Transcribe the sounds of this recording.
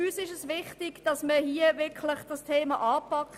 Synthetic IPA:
yːsɪʃəsʋɪχtɪɡ̥d̥ɑsməhiːəʋɪkʰlɪχd̥ɑstʰeːmɑʔɑːpɑk

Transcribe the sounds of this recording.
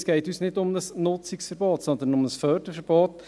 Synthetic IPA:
sɡ̥ɛɪtyːsnɪdʊmnəsnʊt͡sɪksfəɾb̥oːtsɔnd̪ənʊməsfœɾd̥əfəɾb̥oːt

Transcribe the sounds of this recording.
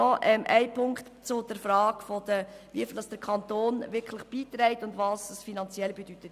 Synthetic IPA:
ɔʔɛmʔæ̰ɪpʰʊŋktt͡sʊd̥ɛɾfɾɑːɡ̥fod̥əʋifldɑsd̥əɾkʰɑnt̪oːnʋɪɾkʰləχb̥iːt̪ɾɛɪtʊndʋɑːssfinɑnt͡sjɛlbɛd̥yt̪ət

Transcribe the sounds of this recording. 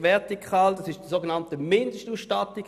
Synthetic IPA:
vɛʁtikʰaːldɑsɪʃd̥isoɡenɑntəmɪndəʃtuːsʃtɑtiɡ

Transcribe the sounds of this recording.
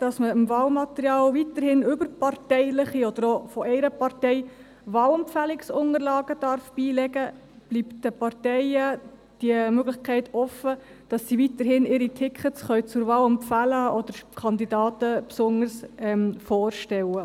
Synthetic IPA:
d̥ɑsməɪmvɑːlmɑt̪əɾjɑːlvitəɾhɪnʏbəɾpɑrtɛɪlɪχiɔd̥̪əɾofɔʔɛɪɾəpɑɾtɛɪ | ʋɑːlɛmpfælɪksʊnəɾlɑːɡ̥əd̥ɑɾfb̥iːlɛɡə | b̥liptd̥əpɑrtɛɪəd̥iəmøɡlɪχkʰɛɪtɔfə | d̥ɑsːivitəɾhɪnɪɾitʰɪkχətsχœɥt͡sʊɾvɑːləmpfæləɔd̥̪əɾkʰɑnd̪idɑːtəpsʊnəɾsɛmfɔːɾʃtɛwə

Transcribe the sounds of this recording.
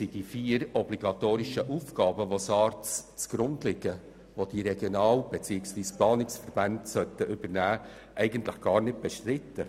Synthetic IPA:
sid̥ifiːəɾɔbliɡɑtoːɾɪʃəʔuːfɡ̥ɑːbəʋosɑːɾtt͡sɡ̥ɾʊndlɪɡ̥ə | ʋod̥iɾɛɡ̥jonɑːlb̥et͡siːəksʋiːsplɑːnɪksfəɾb̥ændsœtəʔʏbəɾnæː | ʔɛɪɡəntlɪχɡ̥ɑːɾnɪt̚b̥ɛʃtɾɪtːə

